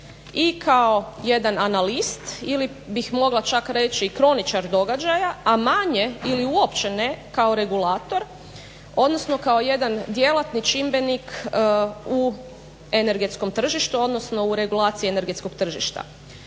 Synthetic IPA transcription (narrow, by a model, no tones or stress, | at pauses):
ikʰao̞je̞d̪ananalist̪ili | bixmo̞ɡlat͡ʃakɾe̞t͡ʃiːkɾo̞nit͡ʃaɾd̪o̞ɡad͡ʒajaamaɲe̞iliuopt͡ɕene̞kao̞ɾe̞ɡulaːt̪o̞ɾ | o̞d̪nosno̞kaoje̞d̪and̪je̞lat̪nit͡ʃimbe̞nik | u | ene̞ɾɡet̪sko̞mt̪r̩ʒiʃt̪uo̞d̪no̞sno̞uɾe̞ɡulˠaːt̪siene̞ɾɡeko̞ɡt̪r̩ʒḭʃt̪a̰